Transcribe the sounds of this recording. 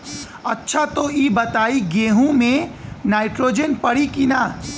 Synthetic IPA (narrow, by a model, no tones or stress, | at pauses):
ɐtːʃʰat̪oiːbɐt̪aːiɡeːɦũmẽnaːɪʈɾoːd͡ʒənpɐɽikinaː